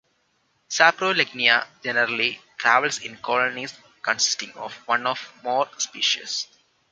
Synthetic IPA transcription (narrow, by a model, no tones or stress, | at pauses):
saːpɾoːleɡnia̰d͡ʒɛnəɾəliʈɾæːʋəlsɪ̃nkɔːlonis | kə̃nsɪ̥sʈɪ̃ŋɡɔ̰ːʋʋʌ̃nɔːʋmoːɾspḭːʃḭs